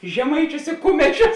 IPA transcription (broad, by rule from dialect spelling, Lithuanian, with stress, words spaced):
ʒʲɛˈmɐɪt͡ʃʲʊs ɪ ˈkʊmʲɛt͡ʃʲʊs